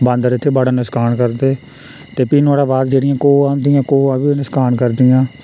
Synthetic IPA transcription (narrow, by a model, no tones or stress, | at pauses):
bə̃nd̪əɾɪt̪ʰːeːbəɽaːnɪskaːnkəɾd̪eː | t̪eːpiːnaːɽaːbaːd̪d͡ʒeːɽɪjãːkoːãːnd̪ɪjãːkoːəbiːnɪskaːnkəɾd̪ɪjãː